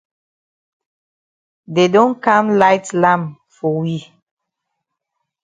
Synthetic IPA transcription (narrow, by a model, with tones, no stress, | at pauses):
de˨dõ˦nkã˦mla˦ɪtlã˦m | fɔ˨wi˦